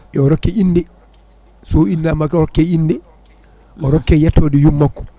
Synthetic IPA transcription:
ʔɔɾɔkːɛʔindɛ | sɔindamakɾɔkːɛindɛ | ʔɔɾɔkːɛjatʰːoːdijumːakːɔ̥

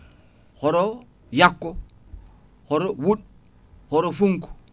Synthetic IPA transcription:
hoɾo | jakːo | hoɾowuɗ | hoɾofuŋku̥

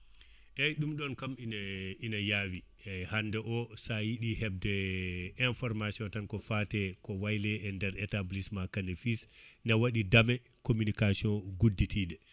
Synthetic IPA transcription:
ʔɛjɗumɗɔnkamininajawi | ɛhandɛʔɔsajiɗihɛb̚dɛɛnfɔɾmasiɔntankɔfatɛkɔwajlɛɛndɛɾɛtablismakanɛfisnawaɗidamɛ | komunikasiɔnɡudːitʰidɛ

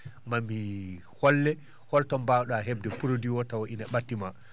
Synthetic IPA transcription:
mamːi | hɔlːɛ | hɔltɔmbawɗɔaɦɛb̚dɛpuɾodiwɔtawoʔinaɓatːima

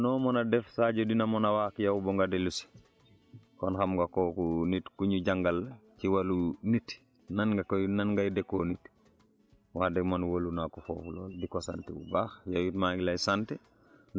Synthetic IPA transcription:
noːmonadefsaːɟodinamonawaːkjawboŋɡadelus | konxamɡakoːkunitkuɲuɟaŋɡalciwalunit | nanɡakonanɡajidekːoːnit | waːdeɡmanwolunakufo̰ːflo̰ːlbikosantewṵbaxjawitmaɡilajsante

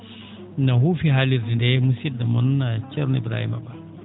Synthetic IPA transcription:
nɐɦufiɦaliɾːindemusid̪ɐmunt͡ʃɛɾunḭbɾa̰ːhḭmɐ̰ba

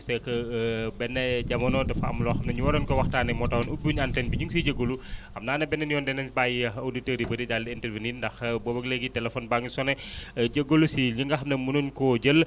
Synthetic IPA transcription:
sɛkɐbɛnːɛɟɐmɐnɔdɐfɐɐ̰mlɔxɐmnɐɲuwɐɾɔnkɔwɐxtaːnɐmɔtɐwɔnubuɲantɛnbiɲuŋs̬iɟəɡːoluʔɐmnaːnɐbɛnːɛnijɔndɛnɛnsbajiɐwditəɾibɐɾidaldiintɛɾviniːndɐxbobɐɡleɡitɛlɛfɔnbaŋisɔnɛɟəɡolusiɲiŋɡɐxɐmnɐmunuɲkɔɟəl

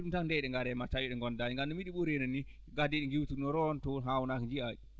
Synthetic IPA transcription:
ɗumtakndɛɗɛŋɡaɾɛmatajiɗɛŋɡɔndaiŋɡamnɔmiɗiɓuɾenɔnːi | ɡadiɗiŋɡiwtunɔɾɔntɔɦawnakɲd͡ʒia

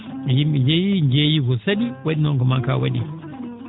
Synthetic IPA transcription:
jimid͡ʒejiɲd͡ʒejikɔsaɗiwaɗinɔŋkɔmaŋka̰waɗi

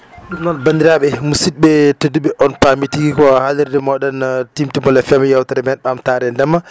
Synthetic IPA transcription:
ɗumnɔnbandiɾaɓɛmusit̚ɓɛteduɓɛʔɔnpamitiɡikɔhaliɾdɛmɔɗɔntimtimɔlɛfɛmjawtaɾɛmɛnɓamtaːɾɛndɛmːa

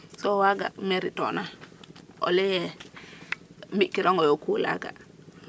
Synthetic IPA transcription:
sowaɡa̰meɾito̰na | o̰lɛjɛ | mikːiɾoŋɡojokula̰ɡa̰

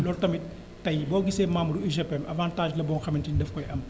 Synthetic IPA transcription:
lɔltɐmitː | ɐjbɔːɡisɛːmaːmuɾuiʒɐpːɛmɐvaːntaːʒlɐbɔːnxɐmintindɐfkɔjɐm

